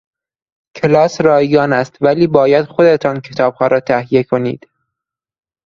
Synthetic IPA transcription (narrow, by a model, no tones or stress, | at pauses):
kʰelɒːsɾɒːjɡɒːnæst̪væliːbɒːjæd̪̥xo̞d̪e̞t̪ʰɒncʰe̞t̪ʰɒːb̥hɒːɾɒːt̪ʰæhije̞kʰo̞nḭːd̪̥